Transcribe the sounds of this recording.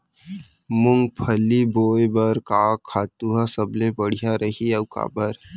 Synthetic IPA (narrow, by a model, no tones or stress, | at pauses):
mʊŋɡ̚pʰɐlːiboːebɐɾkaːkʰːaːt̪uɦasɐblebəɽ̤ijaɾɐɦiɐʋka̰ːbəɾ